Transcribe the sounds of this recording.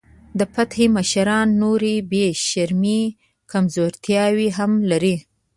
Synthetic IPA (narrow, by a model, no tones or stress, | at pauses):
d̪əpat̪xeməʃaɾɑnːoɾibeʃaɾmi | kamzoɾt̪jɑwiɦamlaɾi